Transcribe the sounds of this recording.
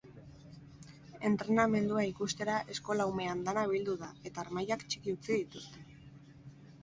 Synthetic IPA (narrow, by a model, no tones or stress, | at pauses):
e̞nt̪ɾe̞name̞nd̪uaikust̪e̞ɾaʔe̞sko̞lawme̞and̪anaβild̪uðae̞t̪aːɾmajakt͡ʃi̥kiut͡siðit̪ust̪e̥